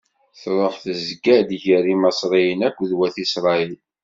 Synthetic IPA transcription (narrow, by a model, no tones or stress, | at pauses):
θɾˤəħθəzɡæd̪ʝəɾimɑsˤɾˤijənækʷːðwæθisɾˤɑil